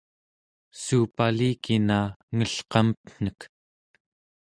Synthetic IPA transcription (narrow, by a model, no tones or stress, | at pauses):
suːpaliːkinaːŋəɬqɑmpn̥ək